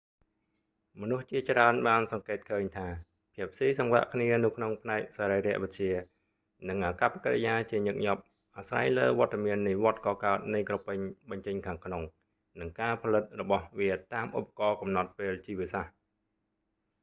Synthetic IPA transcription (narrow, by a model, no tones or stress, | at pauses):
mɔnuht͡ɕiət͡ɕraənɓaːnsɑŋkeːt̪̚kʰəːɲt̪ʰaː | pʰiəp̚ʰsiːsɑŋʋa̰ːʔkʰniənɨwkʰnoŋpʰnaɛk̚saːɾəjɾɛ̆əʔʋɨt̪̚t͡ɕiə | nɨŋʔakapːakaɾḛjaːt͡ɕiəɲɨk̚ɲɑp̚ | ʔaːsra̰jləːʋŏət̪ːamiənːiʋŏət̪̚kɑːkaət̪̚nɨjkropɨɲɓɑɲt͡ɕəɲkʰaːŋkʰnoŋ | nɨŋkaːpʰɑlɨt̪̚rɔɓɑhʋiət̪aːmʔṵpːḁkɑːkɑmnɑt̪̚peːlt͡ɕiːʋiəsah